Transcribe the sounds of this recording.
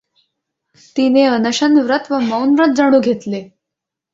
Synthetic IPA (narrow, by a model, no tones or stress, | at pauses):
t̪ineənəɕənʋɾət̪ʋəməwnʋɾət̪̚d͡zaɽ̃uːɡʱet̪le